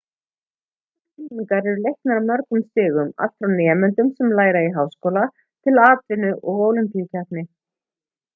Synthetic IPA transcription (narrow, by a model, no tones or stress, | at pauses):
ɪnniŋkaɾɛɾʏlejhknaɾawmœɾk̪ʏmst̪ɪːɣʏma̰l̥t̪fɾawnɛːamɛnt̪ʏmsɛmlaːjɾaiɦawskowla | t̪ʰɪlaːt̪vɪnʏʔɔɣoːwlʏmpiucʰapnɪ